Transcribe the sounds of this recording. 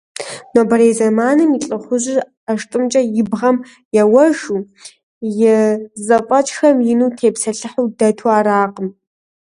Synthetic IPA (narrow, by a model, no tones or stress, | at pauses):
noːbɐɾeːzɐmaːnɨmit͡ɬʼɨχʷʊʑɪr | aʂtʼɨmt͡ʃʼɐjɪbʁɐm | jɛwɐʒu | jɪzɐpʷʼɐt͡ʃʼxɐmjɪnuːtʰeːpsɐɬɨħuːdɐtʰuaːɾaːqʼəm